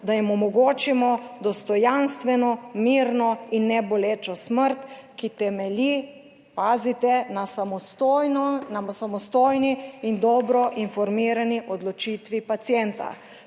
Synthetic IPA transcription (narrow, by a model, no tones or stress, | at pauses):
d̪ajimɔmɔɡoːt͡ʃimɔd̪ɔst̪ɔjanst̪ʋɛnɔmiːɾnɔinːɛbɔleːt͡ʃɔsməɾt̪kit̪ɛmɛli | paːzit̪ɛnasaɔtnasamɔst̪oːjniind̪ɔbɾɔʔinfɔɾmiːɾaniʔɔd̪lɔt͡ʃiːt̪ʋipat̪sjɛnt̪a̰